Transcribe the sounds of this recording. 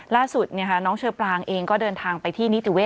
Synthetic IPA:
laː˥˩su˨˩t̪̚ni˥ɐkʰa˦˥nɔː˦˥ŋt͡ɕʰɤː˧plaː˧ŋʔeː˧ŋkɔː˥˩dɤː˧nt̪ʰaː˧ŋpa˧jt̪ʰiː˥˩ni˦˥t̪u˨˩˦weː˦˥˩

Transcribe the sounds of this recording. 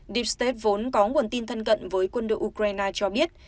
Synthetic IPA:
ɗi˧˩p̚st̪e˦˥p̚vo˨˦nkɔ˨˦ŋu˨˩ənt̪i˧nt̪ʰə˧nkə̰˧˨nvəː˨˦jkwə˧nɗo̰˧˨ʔu˧kɾaː˧jnaː˧t͡ɕɔ˧ɓi˦˥ət̚

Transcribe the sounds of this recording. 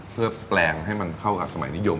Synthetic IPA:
pʰɯ˥˩ɐplɛː˧ŋɦa˥˩jma˧nkʰa˥˩wka̰ː˨˩p̚sa˧ma̰˨˩˦jni˦˥jo˧m

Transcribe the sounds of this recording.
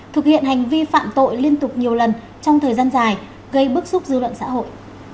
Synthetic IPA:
t̪ʰɨ˨˩k̚hḭ˧˨ənha˨˩jŋ̟vi˧fa̰ː˧˨mt̪o̰˧˨jli˧ənt̪ʊ˨˩k͡p̚ɲi˨˩əwlə˨˩n | t͡ɕɔ˧wŋ͡mt̪ʰəː˨˩jzaː˧nzaː˨˩j | ɣə˧jɓɨ˦˥k̚sʊ˦˥k͡p̚zɨ˧lwə̰˧˨nsa̰ː˧˥ɦo̰˧˨jʔ

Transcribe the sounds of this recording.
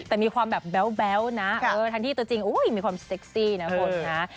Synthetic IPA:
t̪ɛː˨˩miː˧kʰwaː˧mbɛː˨˩p̚bɛ˦˥wbɛ˦˥wna˦˥ʔʰɤː˧t̪ʰa˧ŋʰiː˥˩t̪u˧ət͡ɕi˧ŋʔuː˦˥jmiː˧kʰwaː˧mse˦˥k̚siː˥˩na˦˥kʰo˧nna˦˥

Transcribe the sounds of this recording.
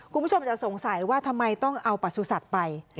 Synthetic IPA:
kʰu˧nbʰo˧mt͡ɕa˨˩ʔso˩˦ŋsa˩˦jwaː˥˩t̪ʰa˧mːa˧jt̪ɔ˥˩ŋʔa˧wpa˨˩t̪̚su˧˩sa˨˩t̪̚pa˧j

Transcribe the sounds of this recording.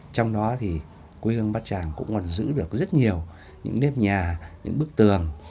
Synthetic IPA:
t͡ɕɔ˧wŋ͡mɗɔ˨˦t̪ʰi˨˩ | kwi˧hɨ˧əŋɓaː˦˥t̚t͡ɕaː˧˩ŋkʊ̰˧˥ŋ͡mkɔ˨˩nzɨ̰˧˥ɗɨ˨˩ək̚zə˦˥t̚ɲi˨˩əw | ɲɨ̰˧˥ŋnɛ˦˥p̚ɲaː˨˩ɲɨ̰˧˥ŋɓɨ˦˥ək̚t̪ɨ˨˩əŋ

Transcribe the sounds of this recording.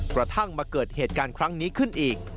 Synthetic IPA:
kɾa˧t̪ʰa˥˩ŋmaː˧kɤː˨˩t̪̚heː˨˩t̪̚kaː˧nkʰɾa˦˥ŋniː˦˥kʰɯ˥˩nʔiː˨˩k̚

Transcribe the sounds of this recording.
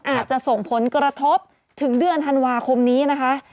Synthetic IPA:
ʔaː˨˩t̪̚t͡ɕa˨˩ʔso˨˩ŋpʰo˩˦nkɾa˧t̪ʰo˦˥p̚ | t̪ʰɯ˩˦ŋdɯ˧ənt̪ʰa˧nwaː˧kʰo˧mniː˦˥na˦˥kʰa˦˥ʔ

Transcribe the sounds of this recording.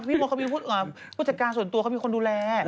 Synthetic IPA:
pi˦˥˩pʰːɔ˧kʰa˥miː˧pʰuː˥˩t̪̚ʔəː˨˩pʰu˥˩sa˨˧kaː˧nsu˨˩˦nt̪u˧ka˥˩miː˧ko˧nduː˧lɛː˧

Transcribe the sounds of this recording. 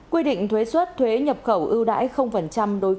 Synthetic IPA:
kwi˧ɗḭ˧˨ŋ̟t̪ʰwe˨˦swə˦˥t̚t̪ʰwe˨˦ɲə˨˩p̚xə˧˩wʔɨ˧wɗa̰ː˧˥jxə˧wŋ͡mfə˨˩nt͡ɕa˧mɗo˨˦j

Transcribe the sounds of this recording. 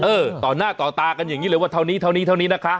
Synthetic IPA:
ʔɤː˧˩t̪ɔː˨˩naː˥˩t̪ɔː˨˩t̪aː˧ka˧njaː˨˩ŋiː˦˥ləː˧˦waː˥˩t̪ʰa˥˩wniː˦˥t̪ʰa˥˩wniː˦˥t̪ʰa˥˩wniː˦˥na˦˥kʰa˦˥ʔ

